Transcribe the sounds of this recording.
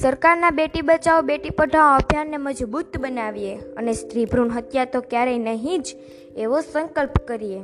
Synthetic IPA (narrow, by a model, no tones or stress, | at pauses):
səɾkaɾnabeʈibət͡ʃaobeʈipəʈaoəbʱjanːeməd͡ʒbut̪bənaʋieənest̪ɾibʱɾuɳɦət̪jat̪okjaɾəjnəɦĩd͡ʒ | eʋosəŋkəlpkəɾie